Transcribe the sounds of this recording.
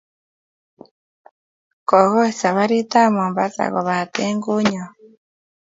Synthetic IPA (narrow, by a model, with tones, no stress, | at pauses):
kɔ˨ɣɔ˦e˨sa˨βa˦ɾi˦ta˦˨mɔ˨mba˦za̰˨ɣɔ̰˨βa˨t̪ɛ˦ŋɡu˦ɲɔ˨